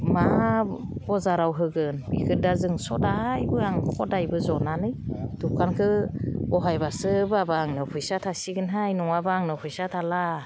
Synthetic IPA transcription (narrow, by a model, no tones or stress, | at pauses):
ma | bɔzaɾawɦɯɡɯnbḭkʰɯdazɯŋsɔ̰dajbɯaŋkʰɔdajbɯzɔnanɯjtukʰankʰɯɔɦajbasɯbabaːŋnɯpʰɯjsatʰasiɡɯnɦajnɔŋabaaŋnɯpʰɯjsatʰala